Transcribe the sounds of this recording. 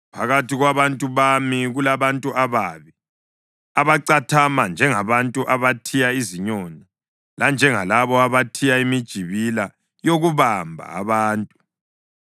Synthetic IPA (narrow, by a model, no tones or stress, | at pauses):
pʰaɣatiɣwaβantʼuβamiɣulaβantʼuʔaβaːβi | aβaǀatʰamand͡ʒʱɛŋaβantʼuʔaβatʰijaiziɲɔna | land͡ʒʱɛŋalaβɔaβatʰijaimid̥ʒ̥ʱiβila | joɣuβambʱa̰ːβaːntʼu